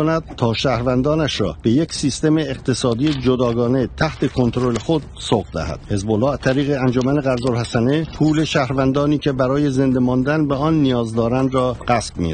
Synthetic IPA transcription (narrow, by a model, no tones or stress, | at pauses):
onæd̪̥̚t̪ʰɒːʃæːhɾvænd̪ɒːnæʃɾɒ̰ːb̥e̞jecsiːst̪e̞meːqt̪ʰe̞sɒːd̪ijed͡ʒod̪ɒːɡɒːne̞t̪ʰæht̪ʰe̞kʰo̞nt̪ʰɾole̞xod̪̥̚ | soʁd̪æ̰hæ̰d̪̥he̞zbolːɒːæt̪ʰæɾiːɣeænd͡ʒomæneɣæɾzolhæsænepʰuːle̞ʃæhɾvænd̪ɒːniːcʰe̞bæɾɒːje̞ze̞nd̪emɒnd̪ænbeɒnːijɒːzd̪ɒːɾænd̪rɒːɢ̥æsb̥̚mḭ